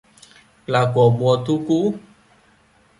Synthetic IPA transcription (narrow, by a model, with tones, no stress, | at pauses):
la˨kɔ˨ɡ͡bɔ˨t̪u˦ku˦